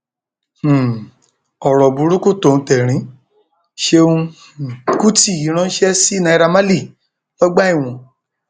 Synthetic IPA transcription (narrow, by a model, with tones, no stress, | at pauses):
h̩˨ | ɔ˨ɾɔ˨bu˨˧˦ɾu˦ku˦˨to˦˨ũ˧˦tɛ˨ɾ̃ĩ˨˦ | ʃe˧ũ˧˨ | ku˦ti˦˨i˨˦ɾ̃ã˧˦ʃɛ˦si˦nã˧i˧ɾa˧mã˦li˦˨ | lɔ˦ɡ͡ba˦i˦˨w̃ɔ̃˨˧